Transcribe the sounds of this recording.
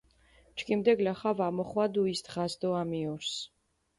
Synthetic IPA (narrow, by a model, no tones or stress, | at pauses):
t͡ʃʰʼkʼimd̪ɛɡlaχavamɔχwad̪uisd̪ʁasd̪ɔamiɔɾs